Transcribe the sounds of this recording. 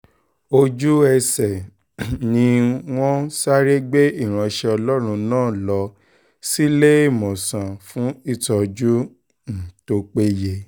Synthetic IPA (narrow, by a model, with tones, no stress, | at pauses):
o˧d͡ʒu˦ɛ˧sɛ˨ | nĩ˧w̃ɔ̃˦sa˦ɾe˦ɡ͡be˦i˦˨ɾ̃ã˨˧ʃɛ˧ɔ˧lɔ˦ɾ̃ũ˧nãː˦˨lɔ˧ | si˦le˦i˦˨mɔ̃˨sã˨fũ˨˦i˦˨tɔ˧d͡ʒu˦ | n̩˨to˧k͡pe˦je˧